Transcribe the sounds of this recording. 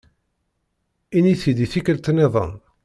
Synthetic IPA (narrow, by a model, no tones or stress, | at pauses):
iniθid̪iθikəlt̪nɛðˤə̰n